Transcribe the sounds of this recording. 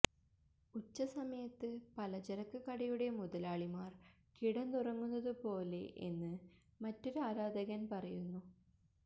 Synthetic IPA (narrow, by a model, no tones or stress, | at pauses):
ut͡ɕːɐsɐmɐjɐt̪ːɨpɐlɐt͡ɕɐɾɐkːɨkɐɽɐjuɽe̞muðɐlaːɭimaːr | kiɽɐnt̪urɐŋːunːɐðɨpo̞ːlḛʔḛnːɨ | mɐtːo̞ɾuaːɾaːd̪ɐɣɐnpɐrɐjunːu